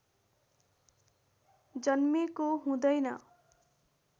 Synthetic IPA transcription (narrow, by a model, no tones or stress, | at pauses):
d͡zʌnmikoɦũd̪ʌjnʌ̰